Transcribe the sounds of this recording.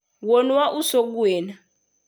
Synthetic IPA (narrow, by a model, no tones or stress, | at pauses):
wɔnwaʔusok̬uɛːna